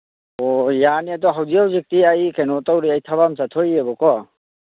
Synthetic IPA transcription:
ɔjaniatɔɦawziawzik̚tiajkenɔtawɾiajtʰaβamsatʰɔjebɔkɔ

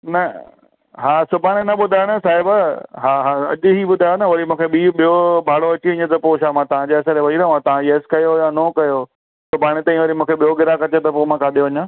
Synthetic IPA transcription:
nɐ | ɦaːsʊbʱaːɽ̃enɐɓʊd̪ʱaːjɽəsaːɦɪbəɦaːɦaɐ̰ʄʊɦiɓʊd̪ʱaːjnəʋɐɾimũːkʰeɓiɓijobʱaːɽoɐt͡ɕieɪ̃ɲə̃t̪ɐpoːʃamãːt̪ɐʋ̤ãd͡ʑeːɐseɾeʋɐɦiɾɐɦũãt̪ɐʋ̤ãeːskɐjojanoːkɐjo | sʊbʱaːɽ̃et̪ãːĩʋɐɾimũːkʰeɓijoɡɪɾakɐt͡ɕet̪ɐpomãːkaːd̪eʋɐɲãː

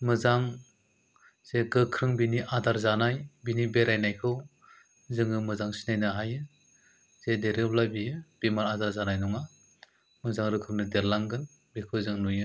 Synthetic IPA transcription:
mɯzaŋ | z̥eɡɯkʰɾɯŋbiniʔadaɾzanajbinibeɾajnajkʰɯw | zɯŋɯmɯzaŋsi̥najnɯɦajɯ | z̥edeɾɯblabijɯb̥imaɾadaɾzanajnɔŋa | mɯzaŋɾɯkʰɾɯŋnɯdeɾlaŋɡɯn | bikʰɯwzɯŋnujɯ

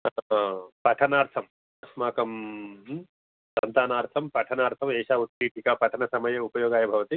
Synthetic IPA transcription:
pɐʈʰɐnaːɾt̪ʰɐm | ɐsmaːkɐm | sɐnt̪aːnaːɾt̪ʰɐmpɐʈʰɐnaːɾt̪ʰɐmeːʃaːut̪ːiːʈʰikaːpɐʈʰɐnɐsɐmɐjɐupɐjoːɡaːjɐbʱɐʋɐt̪i

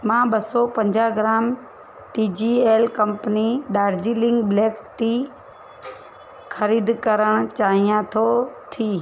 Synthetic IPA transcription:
mãːɓɐsɔpɐ̃ɲd͡ʒaɡɾaːm | ʈiːd͡ʑiːeːlkɐmpəniɗaːɾd͡ʒiːlɪ̃ŋɡbleːkt̪i | kʰəɾiːd̪kəɾəɽ̃t͡ɕaːɦijãt̪ʰot̪ʰiː

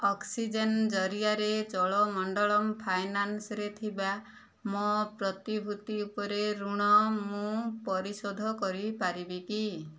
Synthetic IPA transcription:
ɔksid͡ʒend͡ʒɔɾijaɾed͡ʒɔɭɔmɔɳɖɔɭɔmpʰajnansɔɾet̪ʰiba | mɔpɾɔt̪ibʱut̪iupɔɾeɾuɽ̃ɔmũpɔɾisod̪ʱɔkɔɾipaɾibiki

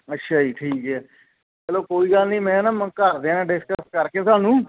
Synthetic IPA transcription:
ətːʃʰaːiːʈʰiːkɦɛː | t͡ʃɛːloːkoːiːɡəlnĩːmɛ̃ːnaːmə̃kəɾd̪eːnãːɖɪskəsʈkəɾkeːsaːnũː

